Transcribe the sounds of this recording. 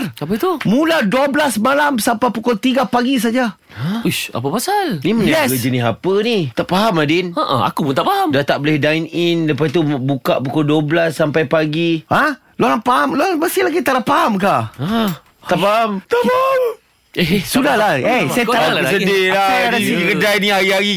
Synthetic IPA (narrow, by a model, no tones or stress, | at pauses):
rapət̪umũladuablasmalamsampapukɔlt̪iɡapaɡis̬ad͡ʒa | aua̰pəpasalnimənnɛəd͡ʒənɪsapənit̪aʔpaɦamadinəʔə̰a̰kupunt̪aʔpaɦamdat̪aʔbolɛhdaininləpasit̪ubukaʔpukɔlduablasːampajpaɡiha | lolapaɦamloaməsilaɡit̪alapaɦamka | aʔpaɦamt̪apaam | ɛsudahlaesajaaabəsədɪaaikədajnĩaɾiaɾi